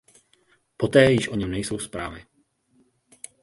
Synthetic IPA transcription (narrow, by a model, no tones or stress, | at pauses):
po̞t̪ɛːjɪʃʔo̞ɲɛmnɛjso̞wspɾa̰ːvɪ